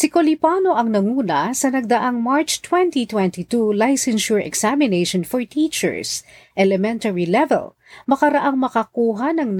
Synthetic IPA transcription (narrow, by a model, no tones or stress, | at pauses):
sɪkolipaːno̞ʔɐŋnɐŋuːnɐsɐnɐɡ̚d̪ɐʔaŋmaɹt͡ʃt̪wɛnt̪it̪wɛ̃nt̪it̪ulajsɛnʃʊɹʔɛ̰ksamɪneʃɔnfɔɹt̪ʰit͡ʃɛ̰ɹsʔɛlɛmɛnt̪ɐɹilɛvɛ̰l | mɐkɐɾɐʔaŋmɐkɐkuːɦanɐŋn